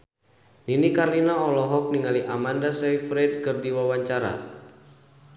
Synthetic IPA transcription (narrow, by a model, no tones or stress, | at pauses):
ninikarlinaɔlɔɦɔk̚niŋaliʔamandasɛjfɾɛd̚kɨrdiwawaɲt͡ʃaɾa̰